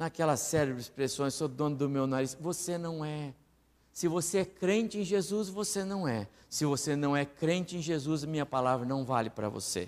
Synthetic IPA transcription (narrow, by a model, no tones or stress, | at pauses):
nɐkɛlɐsɛɾebɾɪispɾesõj̃ssod̪õnʊd̪ʊmewnaɾisvosenɐ̃w̃ɛ | sɪvoseɛkɾẽnt͡ʃɪẽj̃ʒezusvosenɐ̃w̃ɛ | sɪvosenɐ̃w̃ɛkɾẽnt͡ʃɪẽj̃ʒezuzɐmĩɲɐpalavɾɐnɐ̃w̃valɪpɾɐ̰vo̰sḛ